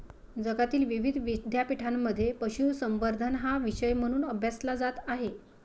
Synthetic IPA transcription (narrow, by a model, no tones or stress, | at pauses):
d͡zəɡat̪iːlʋiʋid̪ʱʋid̪ʱjapiʈʰamːəd̪ʱːjepəɕuʋsəmʋəɾd̪ʱənɦaʋiɕəjm̤əɽ̃uːnəbʱjaslad͡zat̪aɦe